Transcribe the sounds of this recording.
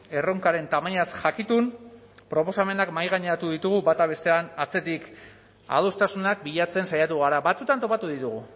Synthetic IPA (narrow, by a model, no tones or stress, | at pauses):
e̞ro̞ŋkaɾe̞nt̪amaɲasʝakit̪un | pɾo̞po̞same̞nakmajɣaɲeɾat̪uðit̪uɣ̞uβat̪aβ̞e̞st̪e̞anat͡se̞t̪ik | a̰ðost̪asunak̚biʎat͡se̞nsajat̪uɣ̞aɾaβat͡sut̪ant̪o̞pat̪uðit̪uɣ̞u